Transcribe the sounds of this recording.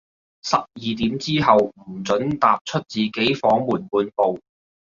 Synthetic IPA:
sɐ˨p̚jiː˨˧t̪̬iː˨˥mt͡siː˥ɦɐ˨wm̩˨˩t͡sɵ˨˥nt̪aː˨p̚t͡ʃʰɵ˥t̚t͡siː˨ke˨˥jfɔː˨˥ŋmuː˨˩npuː˧npo˨w

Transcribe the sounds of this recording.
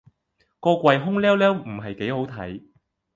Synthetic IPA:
kɔː˧kʷɐ˨jɦʊ˥ŋlɛː˥wlɛː˥wm̩˨˩ɦɐ˨jke˨˥jho˨˥wt̪ʰɐ̰˨˥j

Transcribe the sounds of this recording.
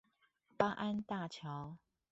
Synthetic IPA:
pa˦ʔa˦nt̪a˥˨t͡ɕʰjɑ˨˦ʊ

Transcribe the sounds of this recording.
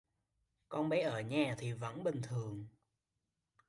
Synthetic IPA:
kɔ˧nɓɛ˨˦ʔəː˧˩ɲaː˨˩t̪ʰi˨˩və̰˧˥nɓï˨˩ŋ̟t̪ʰɨ˨˩əŋ

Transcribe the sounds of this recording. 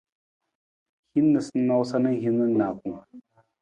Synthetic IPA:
hi˦nːə˨snːa˦wsa˦nə˦ŋhi˦nə˦nːa˨ku˨

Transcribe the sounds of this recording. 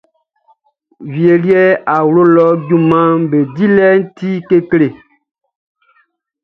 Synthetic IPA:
vi˨e˨li˦ɛ˦a˨wlo˦lɔ˦ɟu˦mã˦be˨di˦lɛ˦n̩˦ti˦ke˦kle˨

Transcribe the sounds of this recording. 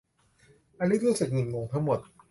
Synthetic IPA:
ʔa˧nu˦˥ɾuː˦˥˩sɯ˨˩k̚nɯ˨˩moː˧ŋt̪ʰa˦˥ŋmo˨˩t̪̚

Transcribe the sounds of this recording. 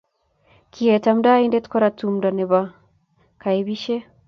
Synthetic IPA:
kʰiɛ˨ta˨m̩da˦i˦ndɛ˦tkɔ˦ɾa˨tu˨m̩da˨nɛ˨βa˦ | ka˨i˨βi˦ʃɛ˦

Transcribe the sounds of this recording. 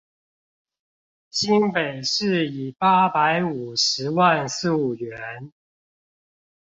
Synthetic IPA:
ɕi˦ŋpe˨˩ɪʂɻ̩˥˩˨i˨˩pa˦˥pa˧˦ɪu˨˩ʂɻ̩˨˦wa˥˨nsu˥˩u˨˩ɥɛ˨˦n

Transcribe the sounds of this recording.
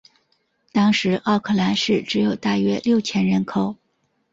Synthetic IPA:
t̪ɑ˥ŋʂɻ̩˧˥ʔɑ˥˧ʊkʰɤ˥˩la˧˥nʂɻ̩˥˩ʈ͡ʂɻ̩˧˥jo˨˩ʊt̪a˥˩ɥɛ˥ljo˥˩ʊt͡ɕʰjɛ˥nɻə˧˥nkʰo˨˩ʊ

